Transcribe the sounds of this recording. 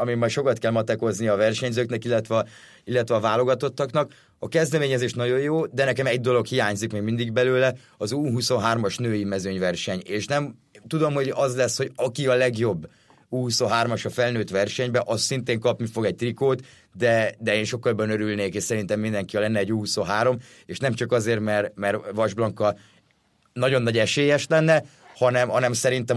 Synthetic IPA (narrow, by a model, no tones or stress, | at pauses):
ɒmimaːʃo̞kɒt̪kɛlmɒt̪ɛko̞znijɒvɛrʃɛɲzøːknɛkilːɛt̪ʋɛ | ilːɛt̪ʋɛɒvaːlo̞ɡɒt̪o̞t̪ːɒknɒk | ɒkɛzd̪ɛmeːɲɛzeːʃnɒɟo̞joːd̪ɛnɛkɛmɛɟd̪o̞lo̞khijaːɲzikmeːɡmind̪iɡbɛløːlɛ | ɒzuːɦuso̞nɦaːrmɒʃnøːjimɛzøɲvɛrʃɛɲeːʃnɛmt̪ud̪o̞mho̞ɟɒzlɛsho̞ɟɒkiɒlɛɡjo̞bː | uːhusoɦaːrmɒʃɒfɛlnøːt̪ʋɛrʃɛɲbɛʔɒssint̪eːŋkɒpnifo̞ɡɛc̚t̪rikoːt̪ | d̪ɛd̪ɛeːnʃo̞kːɒlbɒnøɾylneːkeːʃsɛɾint̪ɛmːind̪ɛŋkiɒlɛnːɛːɟːuːhusoɦaːɾo̞m | eːʃnɛmt͡ʃɒkɒzeːrmɛrmɛrʋɒʒblɒŋkːɒ | nɒɟo̞nːɒɟɛʃeːjɛʃlɛnːɛhɒnɛmhɒnɛmsɛɾint̪ɛ